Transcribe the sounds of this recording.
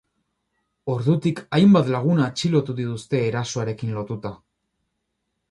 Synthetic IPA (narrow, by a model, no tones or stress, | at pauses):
o̞ɾðut̪ikajmbat̪laɣ̞unat͡ʃilo̞t̪uðit̪ust̪e̞ːɾaso̞aɾe̞kinlo̞t̪ut̪a